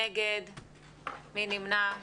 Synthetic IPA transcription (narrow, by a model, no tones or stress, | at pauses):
eɡed̪ | minimna